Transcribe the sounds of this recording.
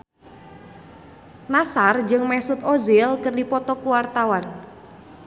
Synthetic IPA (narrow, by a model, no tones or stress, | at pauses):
nasard͡ʒɨŋmɛsʊt̪ozɪlkərdipɔt̪ɔkuwart̪awan